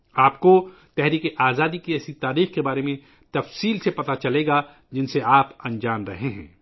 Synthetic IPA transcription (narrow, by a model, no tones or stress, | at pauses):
aːp̚ko | t̪ɛɦɾiːkeʔaːzaːd̪ikiɛːsit̪aːɾiːxkebaːɾemẽ | t̪ɐfsiːlsepɐt̪at͡ʃɐleːɡa | d͡ʒɪnseaːpɐ̃nd͡ʒaːmɾɐɦeɦɛ̰̃ː